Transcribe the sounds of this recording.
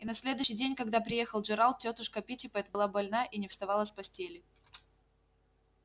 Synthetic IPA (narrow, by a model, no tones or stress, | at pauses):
inɐsʲlʲe̞d̪ʊɕːɪjdʲenʲkɐɡd̪apɾʲɪje̞xəlˠʐɨɾalˠt̪̚tʲot̪ʊʂkəpʲitʲɪpəɛt̪əbɨlˠabɐlʲnaʔinʲɪfst̪ɐvalˠəsʲpɐsʲtʲelʲɪ